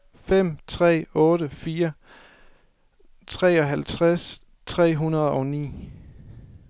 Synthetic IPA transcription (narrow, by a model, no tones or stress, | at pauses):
fem̰t͡sʰʁɛ̰ːɔ̽ːɾəfiːɐ | t͡sʰʁɛ̰ːɒ̽ɦælt͡sʰʁas | t͡sʰʁɛ̰ːɦunɐðˠɒ̽ʊnḭː